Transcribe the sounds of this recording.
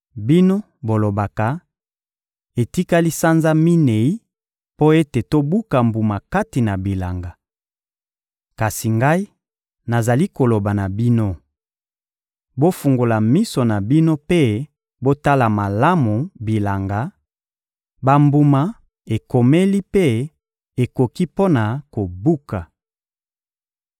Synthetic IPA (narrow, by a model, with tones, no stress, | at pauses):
bi˦no˦ | bo˨lo˨ba˨ka˨ | e˨ti˦ka˦li˦sa˦nza˦mi˦ne˨i˦ | po˦e˦te˨to˦bu˦ka˨mbu˨ma˨ka˦ti˨na˨bi˨la˨ŋɡa˨ | ka˨si˨ŋɡa˦i˦ | na˨za˨li˦ko˨lo˨ba˨na˨bi˦no˦ | bo˦fu˨ŋɡo˨la˨mi˦so˨na˨bi˦no˦pe˦ | bo˦ta˦la˨ma˨la˦mu˨bi˨la˨ŋɡa˨˦ | ba˦mbu˦ma˦ | e˨ko˨me˦li˦pe˦ | e˨ko˨ki˦po˦na˨ko˨bu˦ka˨